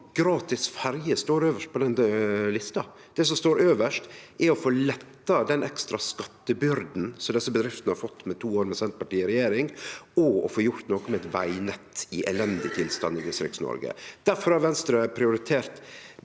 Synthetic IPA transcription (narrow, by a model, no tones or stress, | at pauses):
ɡ̥ɾɑːt̪ɪsfæɾjəst̪oːɾøːʋəʂʈ̚pʰɔd̪ɛnlɪst̪ɑ | d̪̥ɛːs̬ɔmst̪oːɾøːʋəʂtʔɛɔfoːlɛt̪ːɑd̪ɛnʔɛkst̪ɾɑskɑt̪ːəbʏɾd̪n̩sɔmd̪ɛsːəbəd̪ɾɪft̪ənəhɑɾfɔt̪ːmɛt̪ʰuːoːɾmɛsɛnt̪̚pʰɑʈiːəɾɛjeːɾɪŋɔɔ̰foːjʊɾt̪noːkɔmɛɛt̪ʋæɪnɛt̪ːɪʔɛlɛnd̪ɪt̪ʰɪlst̪ɑ̰nːɪd̪ɪst̪ɾɪ̰ksnɔ̰ɾɡə̰d̪̥æɾfɔɾhɑɾʋɛnst̪ɾəpʰɾɪʊɾɪt̪ʰeːɾt̪